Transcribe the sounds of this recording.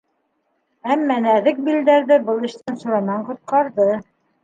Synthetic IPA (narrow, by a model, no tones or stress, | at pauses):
æmːænæðɘk̚bild̪æɾðɘbɤlˠɘ̆ʃt̪ænsŏɾɑnɑɴqŏt̪̚qɑɾðɤ